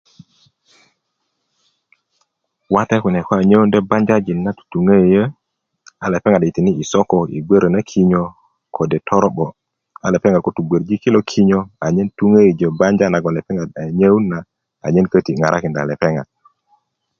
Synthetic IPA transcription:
wa˦tɛ˦ku˨nɛ˨kɔ˦a˨ɲə˦wu˦ndɛ˦ba˦ɲd͡ʒa˦d͡ʒi˨nːa˦tu̥˨tu˨ŋe˦˨jə˦ | a˨lɛ˨pɛ˦ŋa˨di˨ti˨ni˦i˨sɔ˦kɔ˨ḭ˨ɡʷe˦ɾə˨na˦kʰi˦ɲo˦ | kʰo˨dɛ˨tʰɔ˦ɾɔ˦ɓɔ˨ | a˨lɛ˨pɛ˦ŋa˨ko˦tu˨ɡʷe˨ɾd͡ʒi˦ki˦lo˦kʰi˦ɲo˦a˨ɲɛ˦ntu˦ŋe˦i˨d͡ʒə˨ba˦ɲd͡ʒa˦na˨ɡɔ˨lɛ˨pɛ˦ŋa˨da˨ɲə˦wu˦na˨ | a̰˨ɲɛ˦nkə˦ti˨ŋa˨ɾʔa̰˦kɪ˨nda̰˨lɛ˨pɛ˦ŋa̰˨d̚

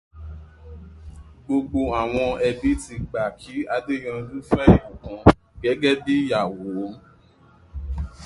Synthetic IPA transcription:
ɡ͡bo˧ɡ͡bo˧a˨w̃ɔ̃˧ɛ˧bi˦ti˧ɡ͡ba˨kʰi˨˦a˧de˦˨j̃ã˧lũ˦fɛ˦i˦˨kã˨ | ɡ̥ɛ˨˦ɡɛ˦de˦ja˨wo˨˦

